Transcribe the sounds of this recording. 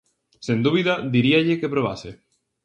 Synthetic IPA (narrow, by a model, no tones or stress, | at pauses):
send̪uβiðɐðiɾiaʎɪkepɾoβ̞ase